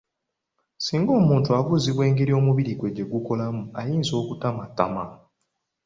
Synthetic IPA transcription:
siːŋɡo̞ːmuːntuaβuziβwe̞ːŋɡeɾio̞ːmuβiɾiɡwe̞ɟe̞ɡuko̞lamuajiːnzo̞ːkutamatːa̰ma

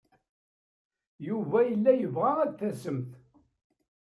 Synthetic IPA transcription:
juvæjəlːæjəvʁaæðθæsəmθ

